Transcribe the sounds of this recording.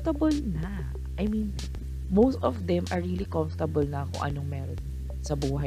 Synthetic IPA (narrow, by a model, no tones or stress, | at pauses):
t̪ɐbɐlnɐ | ʔɐjmĩn | mowst̪ɔvd̪ɛmʔɐɹːilikɔɱft̪ɐbɐlnɐkʊ̰ŋʔɐ̰noŋmɛːɾon | sɐbuːɦɐ